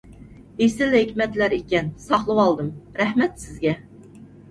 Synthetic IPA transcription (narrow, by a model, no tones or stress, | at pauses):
esɪlhɪkʲmɛt̪læɾikʲɛnsɑχlˠɨwɑlˠd̪ɨmɾæhmɛt̪sɪzɡʲɛ